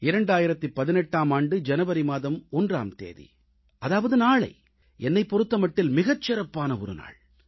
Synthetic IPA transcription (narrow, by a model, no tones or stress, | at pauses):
ɪɾɐɳɖaːjɪɾɐt̪ːɯpːɐðɪnɛʈːaːmaːɳɖɯd͡ʒɛnɐʋɐɾimaːðɐmɔndra̰ːmt̪ḛːðḭ | ɐðaːʋɐðɯnaːɭɐ̰ɪ | ɛnːɐɪpːɔɾɯt̪ːɐmɐʈːɪlmɪɣɐt͡ʃːɪɾɐpːaːnɐɔɾɯ̰na̰ːɭ